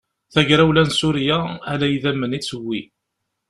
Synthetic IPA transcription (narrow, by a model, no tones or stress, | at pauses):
θæʝɾæwlænsʊɾjaælæjiðæmːənit͡sːəwːi